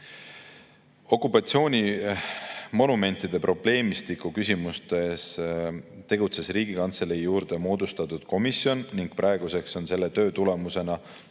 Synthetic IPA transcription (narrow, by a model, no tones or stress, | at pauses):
o̞kˑupːˑɑt̪sio̞ːnʲi | mo̞nume̞nʲt̪ːˑid̪̥e̞pro̞ble̞ːmist̪ikːˑukysʲimust̪e̞s | t̪e̞ɡ̥ut̪se̞sriːɡ̥ikɑnt̪se̞leijuːɾd̪e̞mo̞ːd̪̥ust̪ɑt̪ːud̪̥ko̞misjo̞nːiŋɡ̥̚prʔɑe̞ɡ̥use̞kso̞nse̞lːe̞t̪ø̞ːt̪ule̞muse̞nɑ